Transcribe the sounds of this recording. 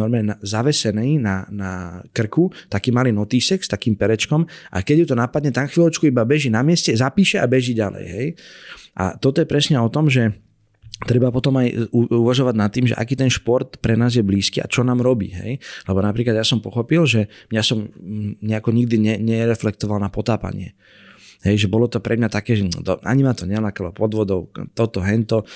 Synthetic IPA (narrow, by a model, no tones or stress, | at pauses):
nɔɾmɛnazaʋɛsɛnɛjnanakr̩kut̪akiːmaliːnɔt̪iːsɛkst̪akiːmpɛɾɛt͡ʃkɔmʔa̰kɛɟjut̪ɔnapad̪ɲɛt̪anxʋilɔt͡ʃkuibabɛʒinamɪɛscɛzapiːʃɛʔabɛʒiɟalɛ̰jɦɛjʔa̰t̪ɔt̪ɔjɛpɾɛsɲɛɔt̪ɔmʒɛ | t̪ɾɛbapɔt̪ɔmajuuʋaʒɔʋaɟnat̪ːiːmʒɛ̰ʔa̰kiːt̪ɛnʃpɔɾt̪pɾɛnaːzjɛbliːskiːʔa̰t͡ʃɔnaːmɾɔbḭːɦɛ̰jlɛbɔnapɾiːklad̪jasɔmpɔxɔpilʒɛmɲasɔmɲɛakɔɲiɡ̚d̪iɲɛɲɛɾɛflɛkt̪ɔʋalnapɔt̪aːpa̰ɲɪɛ̰ | ɦɛjʒɛbɔlɔt̪ɔpɾʔɛmɲat̪akɛːʒɛd̪ɔa̰ɲimat̪ɔɲɛlakɛlɔpɔd̪ʋɔd̪ɔʊt̪ɔt̪ɔɦɛnt̪ɔ